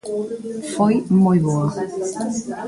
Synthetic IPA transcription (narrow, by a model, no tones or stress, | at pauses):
fojmojβoɐ